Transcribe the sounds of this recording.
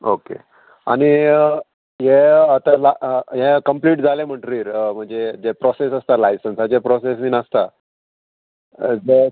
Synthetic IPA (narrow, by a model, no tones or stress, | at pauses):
okḛ | a̰ñi | ɦeət̪alaɦẽkəmpliːʈd͡zalem̤əʈɾiːɾm̤əɳd͡zed͡zepɾɔsesəst̪alajsənsat͡ɕepɾɔsesmiːnəst̪a | d͡zə